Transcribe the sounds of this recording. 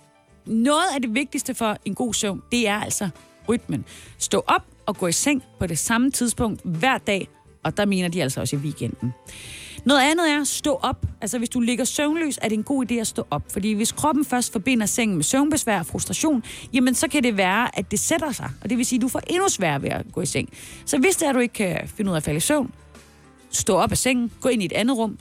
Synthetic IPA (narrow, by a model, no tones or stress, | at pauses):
nɔ̽ːð̞̩ˠæde̝ʋe̝ɡ̥̚d̥isd̥əfɒ̽e̝nɡ̥o̝̰ːsøʊnd̥e̝æɐæl̰sɒ | ʁyd̥̚mənsd̥ɔ̰̽ːʔɒ̽b̥̚ɒ̽ɡ̥ɔ̰̽ːiseŋ̰pʰɒ̽d̥e̝sɑ̈mət͡sʰiðˠsb̥ɔ̽ŋ̰d̥ʋæɐ̰d̥ɛ̰ː | ɒ̽d̥ɑ̈me̝ːnɐd̥iæl̰sɒɒ̽siʋiːɡ̥en̰d̥n̩nɔːð̞̩ˠænð̞̩ˠæɐsd̥ɔ̰̽ːʔɒ̽b̥ʔælsɐʋe̝sd̥ule̝ɡ̥ɐsøʊnlø̰ːsæɐɾe̝enɡ̥o̝̰ːid̥e̝̰ːæsd̥ɔ̰̽ːʔɒ̽b̥̚fɒ̽d̥ḭːʋe̝skʰʁɒ̽b̥n̩fɶɐsd̥fɒ̽b̥e̝n̰ɐseŋ̰n̩mesøʊnb̥esʋæ̰ɐɒfʁusd̥ʁɑ̈ɕo̝̰ːnjæmənsɒ̽kʰæde̝ʋæːɐʔæd̥e̝sed̥ɐsɑ̈ɪʔɒ̽d̥e̝ʋe̝siːd̥ufɒ̰ʔe̝nusʋæːɐʋeæ̰ɡ̥ɔ̰̽ːiseŋ̰sɒ̽ʋe̝sd̥eɐɾue̝ɡ̥ə̥kʰæfe̝nəuðˠæfæləisøʊ̰n | sd̥ɔ̰̽ːɒ̽b̥æseŋ̰n̩ɡ̥ɔ̰̽ːe̝nied̥ænð̩ˠʁɔ̽m̰